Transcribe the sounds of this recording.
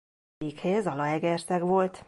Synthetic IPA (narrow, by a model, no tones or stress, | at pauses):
ikhezɒlɒɛɡɛrt̪ɛɡʋo̞lt̪